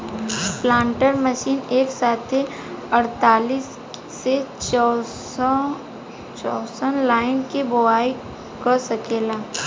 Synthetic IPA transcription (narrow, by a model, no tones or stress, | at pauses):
plãːɳʈəɾməʃiːneːksaːt̪ʰe | ɐɾt̪aːliːsː | e | t͡ʃɔːsənlaːɪnkebʊaːi | kəɾsɐkeːlaː